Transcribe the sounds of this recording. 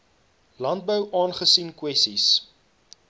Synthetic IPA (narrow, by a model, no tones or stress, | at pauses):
lɐnt̚bəwʔɑːnχəsinkwɛstis